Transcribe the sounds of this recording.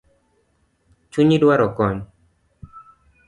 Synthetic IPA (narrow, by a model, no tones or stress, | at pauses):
t͡ʃuɲidwaɾɔkɔɲ